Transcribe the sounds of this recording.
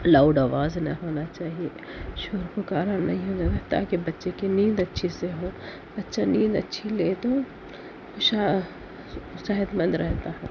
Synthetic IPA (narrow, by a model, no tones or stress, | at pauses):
laːʊɖaːʋaːznɐ̰ɦoːnat͡ʃaːɦie | ʃoːɾkokaːɾaɾnʔɐ̰ɦĩɦoːnaɾɛɦt̪a̰ɦɛkibɐtːʃekenĩːnd̪ɐtːʃʰiseɦoː | bɐtːʃanĩːd̪ɐtːʃʰileːt̪o | ʊʃa | saɦɪt̪mə̃nd̪ɾɛɦt̪aɦɛː